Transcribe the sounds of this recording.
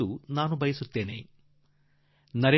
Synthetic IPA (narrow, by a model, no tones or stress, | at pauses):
unaːnubʱɐjɐsut̪ːeːnḛː | nɐɾe